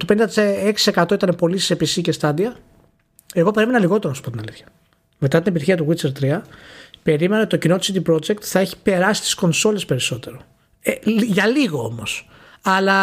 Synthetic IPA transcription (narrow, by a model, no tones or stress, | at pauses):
t̪openĩd̪ɐt̪iseksi̥se̞kɐt̪o̞it̪ɐnepo̞lisepisicest̪ɐðiɐ | e̞ɣo̞pe̞ɾime̞nɐliɣo̞t̪e̞ɾonɐsu̥poinɐliθçɐ̥ | me̞t̪ɐt̪inep̬it̪içiɐt̪uɣit͡seɾt̪ɾiɐpe̞ɾimeneot̪it̪ocino̞t̪isit̪ipɾo̞d͡ʒe̞k̚t̪θɐe̞çi̥pe̞ɾɐsi̥t̪i̥sko̞nso̞le̞spe̞ɾiso̞t̪e̞ɾo̞ | eʝɐliɣo̞o̰mos | ɐlɐ